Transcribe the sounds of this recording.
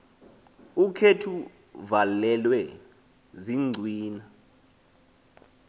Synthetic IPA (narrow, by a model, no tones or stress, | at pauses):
ukʰetʰu | valɛlwɛ | ziŋ͡ǀʱwiːna